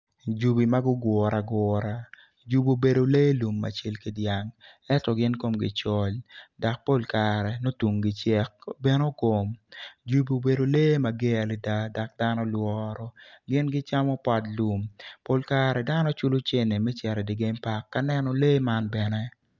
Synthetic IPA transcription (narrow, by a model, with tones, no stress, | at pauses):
d͡ʒu˨bi˨ma˦ɡʊ˦ɡwɔ˨ɾa˨ɡwɔ˨ɾa˨ | d͡ʒu˦bo˨be˨do˨le˦lu˨mːa̰˨t͡ʃe˦lki˦dja˨ŋ | ɛ˦tɔ˨ɡɪ˦nko˦˨mɡɪ˨t͡ʃɔ˦lda˨k̚po˦lka˨ɾɛ˨no˦tu˨ŋɡɪ˨t͡ʃɛ˦k̚bɛ˦no˦ko˨md͡ʒu˦bi˨o˨be˨do˨le˦ma˨ɡe˦a˨li˨da˦da˨k̚da˦nɔ˦lwɔ˦ɾɔ˨ɡɪ˦nɡɪ˦t͡ʃa˦mɔ˦pa˨tlu˨mpo˦lka˦ɾɛ˨da˦nɔ˦t͡ʃʊ˦lʊ˦t͡ʃe˦ne˨mɛ˦t͡ʃɛ˨ɾɛ˨dɪ˨ɡe˦mpa˦kːa˦nɛ˦nɔ˨le˦ma˦nbɛ˨nɛ˦